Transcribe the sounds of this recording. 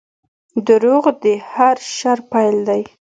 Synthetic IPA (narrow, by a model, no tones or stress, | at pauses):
d̪əɾoɣd̪ehaɾʃaɾpajld̪aj